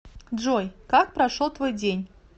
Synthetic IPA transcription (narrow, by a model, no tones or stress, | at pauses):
dʐojkak̚pɾɐʂolˠt̪vojdʲenʲ